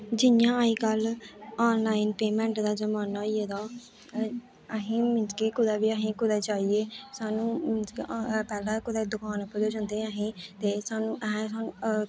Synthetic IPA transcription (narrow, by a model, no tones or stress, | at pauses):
d͡ʒɪjãːəiːkəlɔːnlaːɪnpeːmɛ̃ːɳʈd̪aːd͡ʒəmaːnaːieːd̪aː | əɦĩːmɪnskiːkʊd̪aːbiːəɦĩːkʊd̪aːt͡ʃaːieːsaːnũːmɪnskːpɛːlãːkʊd̪aːd̪ʊkaːnəpːəd͡ʒeːd͡ʒə̃ːnd̪eːaɦĩːt̪eːsaːnũːʔəɦɛ̃saː